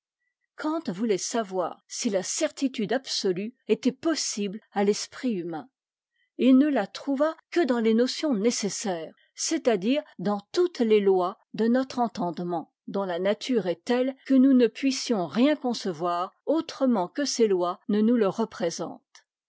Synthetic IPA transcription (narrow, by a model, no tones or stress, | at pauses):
kʰɑ̃t̪vulɛsavwa̰ːʁsilasɛʁt̪it̪yd̪absɔlyɛt̪ɛpɔsiblalɛspχiymɛ̃ | ilnəlat̪χuvakəd̪ɑ̃lenɔsjɔ̃nesesɛːʁ | sɛt̪ad̪iːʁd̪ɑ̃t̪ut̪lelwa | d̪ənɔt̪χɑ̃t̪ɑ̃d̪mɑ̃ | d̪ɔ̃lanat̪ʰyʁɛt̪ɛlkənunəpɥisjɔ̃ʁjɛ̃kɔ̃səvwaːʁot̪χəmɑ̃kəselwanənuləʁəpχezɑ̰̃t̪